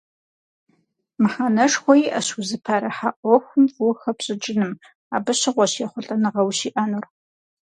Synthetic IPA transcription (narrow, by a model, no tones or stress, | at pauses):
mɨħaːnɐʂxʷɔjiʔɐɕʊzɨpʰaɾɐħaʔʷɔxʷʊmuxɐpɕʼɪd͡ʒʼɪnɨm | aːbɨɕɪʁʷɔɕjɛχʷʊɬʼɐnɨʁɐwɕiːʔɐnur